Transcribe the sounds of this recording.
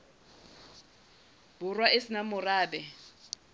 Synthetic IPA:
bʊrwaesɪnamʊraːbɛ

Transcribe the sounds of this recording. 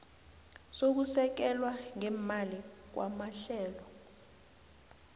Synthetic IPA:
sok̬usɛk̬ɛlwaŋɛmalik̬wa̰maɬɛːlɔ

